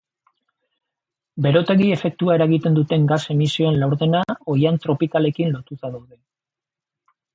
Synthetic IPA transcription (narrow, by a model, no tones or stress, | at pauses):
be̞ɾo̞t̪e̞ɣie̞fe̞k̚t̪uae̞ɾaɣit̪e̞nd̪ut̪e̞ŋɡase̞misio̞enlawɾðe̞nao̞jant̪ɾo̞pikale̞kinlo̞t̪usaðawðe